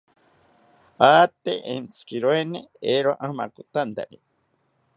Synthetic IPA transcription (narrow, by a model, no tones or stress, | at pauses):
at̪ḛʔḛnt͡sʰɨ̥kiɾoeneeɾaʔama̰kut̪ant̪a̰ɾi